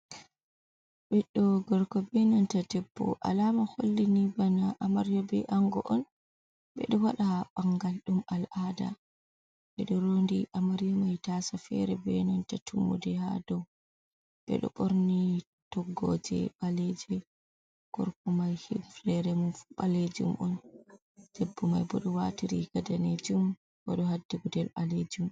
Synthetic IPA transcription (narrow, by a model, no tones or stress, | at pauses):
bɛɗɔɡɔɾkɔbɛnantatɛpːɔ̰ʔa̰lamaholːinibanaʔamaɾjɔbɛ̰ʔaŋɡɔ̰ʔɔn | bɛ̰ɗɔwaɗaɓaŋɡalɗumalʔada̰ | ɓɛɗɔɾondiʔamaɾjɔmajtasafɛ̰ɾɛbɛnantatʰumṵdɛha̰dɔw | ɓɛ̰ɗɔ̰ɓoɾni | tɔɡːɔd͡ʒɛ̰ɓaled͡ʒɛ | ɡ̥ɔɾkumajhiflɛɾɛmuɓaled͡ʒṵmʔɔn | d͡ʒ̥ebːumajbɔɗɔwatiɾiɡ̥adaned͡ʒum | bɔɗɔhadːiɡudɛlbaled͡ʒum